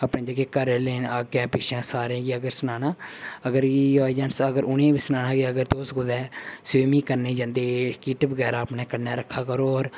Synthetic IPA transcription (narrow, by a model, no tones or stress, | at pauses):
aːpɳẽːd͡ʒaːkeːkəɾeːleːnaːkːɛ̃ːpɪʃãːsaːɾãːɡiːəɡəɾsənaːnãːəɡəɾɡioːd͡ʒaːnsəɡəɾʊnẽːbiːsənaːnãːɡeːəɡəɾt̪oːsɡʊd̪ɛːseːmiːkəɾneːd͡ʒãːnd̪eːkɪːʈbəɡɛːɾaːəpnɛːkənːaːɾəkʰːaːkəɾoːɔːɾ